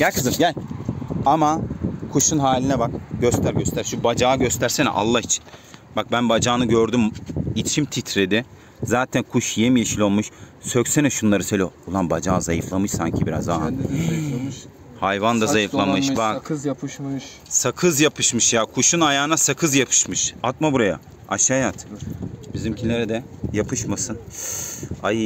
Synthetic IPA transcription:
ɟ̥ælʲkʰɯzɯmɟælʲamakʰuʃunɦaːlʲinɛbakɟøst̪ʰæɾɟøst̪ʰæɾʃubad͡ʒaːɟøst̪ʰæɾsenɛ̰ʔa̰lˠːait͡ʃʰi̥nbak̚bænbad͡ʒaːnɯɟøɾd̪ymit͡ʃʰimt̪ʰit̪ʰɾed̪ɪ | zaːt̪ʰænkʰuʃjemijeʃilʲolˠmuʃsøcsenɛʃunlˠaɾɯselʲijoolˠanbad͡ʒaːzajɯflˠamɯʃsaɲcʰibiɾa̰zd̪an | hajvand̪azajɯfllˠanmɯʃbak | sakʰɯzjapʰɯʃmɯʃjaːkʰuʃunajaːnasakʰɯzjapʰɯ̥ʃmɯʃat̪̚mabuɾaja̰ | a̰ʃaːjat̪b̥izimcʰinlʲeɾɛd̪ɛ | japʰɯʃmasɯn | a̰jɯ

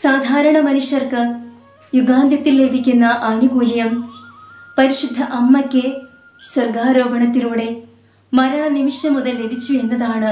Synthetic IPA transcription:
saːd̪ʱaːɾɐɳɐmɐnuʂjɐrkɨ | juɡaːnd̪jɐt̪ːilːe̞bʱikʲːunːɐʔɐnuɡuːljɐm | pɐɾiʂud̪ʱːɐʔɐmːɐkʲːɨ | swɐrɡaːɾo̞ːbʱɐɳɐt̪ːinuːɽe̞ | mɐɾaːɐnimiʂjɐmuðɐlːe̞bʱit͡ɕːue̞nːɐðaːɳɨ

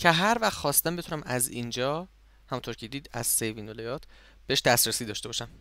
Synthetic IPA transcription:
cʰeɦæɾvæxxɒːst̪æmbeunæmæziːnd͡ʒɒː | hæmunt̪ʰoɾcʰed̪iːd̪æ̰z̥sejviːnolejɒːt̪ʰ | b̥eeʃd̪æsɾæsiːd̪ɒːʃt̪eɒːʃæm

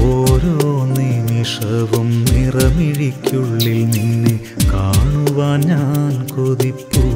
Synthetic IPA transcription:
oːɾonːimiʂɐʋumnirɐmiɻikʲːuɭːilninːɨ | kaːɳuʋaːɲankoðipːu

